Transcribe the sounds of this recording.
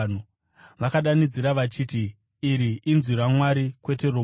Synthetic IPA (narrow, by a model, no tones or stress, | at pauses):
u | ʋakaɗanid͡ziɾaʋat͡ʃiːtiː | ɾiʔinzwiɾamwaɾikwe̞te̞ro